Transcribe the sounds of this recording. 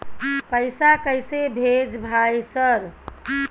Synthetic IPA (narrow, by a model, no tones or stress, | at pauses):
pəjsakəjsebʱed͡ʒbʱajsəɾ